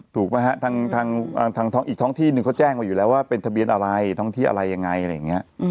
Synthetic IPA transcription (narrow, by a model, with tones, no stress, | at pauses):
t̪ʰuː˨˩k̚ma˦˥ɦa˦˥t̪ʰaː˧ŋt̪ʰaː˧ŋʔaː˧t̪ʰaː˧ŋt̪ʰɔ˦˥ʔiː˨˩t̪ʰɔː˦˥ŋt̪ʰiː˥˩nɯ˨˩ŋkʰɔ˥˩t͡ɕɛː˥˩ŋmaː˧juː˨˩lɛː˦˥waː˥˩pe˧nt̪ʰa˧bi˧ənʔa˧ɾa˧jt̪ʰɔː˥˩ŋt̪ʰi˥˩ʔa̰˧ɾa˧jːa˧ŋa˧jʔɾa˧˩jːa˨˩ŋi˦˥ɐ